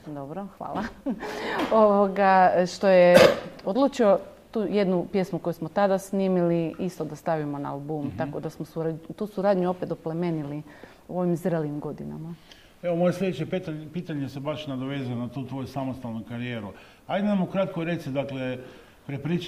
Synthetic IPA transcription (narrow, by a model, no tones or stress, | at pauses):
d̪o̞bɾoxʋa̰ːlˠa | oʋoɡaʃt̪o̞jeod̪lˠuːt͡ʃio̞t̪uːje̞d̪nupje̞smuko̞jusmot̪ad̪asniːmiliist̪od̪ast̪aʋimo̞naalˠbuːmt̪ako̞d̪asmosuaut̪uːsuɾaːd̪ɲuo̞pet̪opleme̞nili | uo̞ʋimzɾeliːmɡo̞d̪ina̰ma | eʋomo̞jeslʲʎʲed̪t͡ʃep̪piːt̪aɲesebaʃnad̪oʋezijonat̪uːt̪ʋo̞jusamost̪alnukaɾijeːɾu | ajd̪enamukɾat̪koɾet̪sid̪akle | pɾepɾit͡ʃ